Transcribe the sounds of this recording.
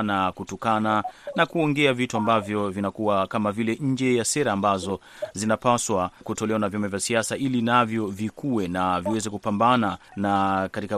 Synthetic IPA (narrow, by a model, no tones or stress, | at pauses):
nakutɔkananakuɔŋɡɛavituambavjɔvinakuwakamavilɛɲ̩d͡ʒɛjasɛɾaːmbazɔ | zinapaswakutɔlɛwanavjamavjasiasaʔilinavjɔvikuwɛnaviwɛzɛkupambananakatika